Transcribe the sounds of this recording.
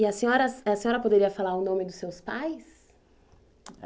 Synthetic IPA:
ɪɐsẽɲɔɾɐsɐsẽɲɔɾɐpod̪eɾiɐfalaɾʊnõmɪd̪ʊsewspajs

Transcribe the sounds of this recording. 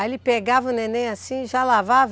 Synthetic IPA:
aelɪpeɡavɐʊ̃nẽnẽj̃asĩʒalavav

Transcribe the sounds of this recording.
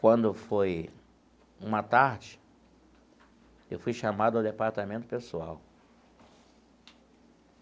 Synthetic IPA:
kwɐ̃nd̪ʊfoj | ũmɐt̪aɾd͡ʒɪ | ewfujʃamad̪ʊɐwd̪epaɾt̪amẽnt̪ʊ̥pesua̰w

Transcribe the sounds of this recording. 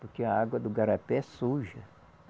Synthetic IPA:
poɾkeɐaɡwɐd̪ʊɡaɾapɛsuʒɐ

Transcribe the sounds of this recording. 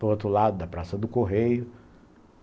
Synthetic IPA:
poɾot̪ɾʊlad̪ʊd̪ɐpɾasɐd̪ʊkoɦejʊ

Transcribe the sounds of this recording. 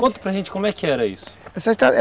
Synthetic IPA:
kõnt̪ɐpɾɐʒẽnt͡ʃɪ̥kõmʊɛkɪɛɾɐḭsʊ̥ɐsaʃt̪aɛ

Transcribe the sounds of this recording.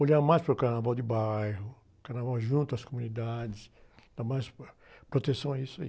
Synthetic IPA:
oʎaɾmajspaɾʊkaɾnavawd̪ɪbajɦʊ | kaɾnavawʒũnt̪ʊɐskomũnid̪ad͡ʒɪsd̪̥amajs | pɾot̪esɐ̃w̃aisʊaḭ

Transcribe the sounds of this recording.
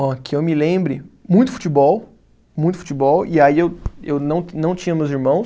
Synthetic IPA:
ɔkɪewmɪlẽbɾɪmũj̃t̪ʊ̥fu̥t͡ʃibɔw | mũj̃t̪ʊfu̥t͡ʃibɔwiaiewewnɐ̃w̃nɐ̃w̃t͡ʃĩɲɐmewziɾmɐ̃w̃s

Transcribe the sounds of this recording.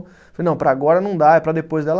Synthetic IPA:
ffɐlejnɐ̃w̃pɾaːɡɔɾɐnɐ̃w̃d̪aɛpɾɐd̪epojzd̪ɛlɐ

